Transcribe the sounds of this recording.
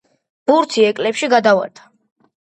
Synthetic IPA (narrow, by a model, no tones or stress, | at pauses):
b̥uɾt̪ʰiɛkʼlɛpʃiɡad̪ava̰ɾt̪ʰḁ